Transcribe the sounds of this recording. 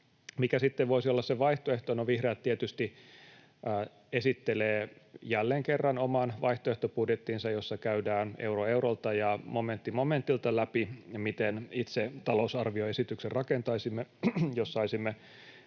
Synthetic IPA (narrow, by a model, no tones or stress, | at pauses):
mikæsit̪ːeʋʋoisiolːɑsseʋɑiht̪oeht̪onoʋihreːt̪t̪ːiet̪yst̪iː | esit̪ːeleːjælːeŋkerːɑnomɑnʋɑiht̪oeht̪opudjet̪ːinsɑjosːɑkæydæːneuroeurolt̪ɑjɑmoment̪ːimoment̪ilt̪ɑlæpimit̪enit̪set̪ɑlousɑrʋioesit̪ykserɑkent̪ɑisimːejossɑisimːe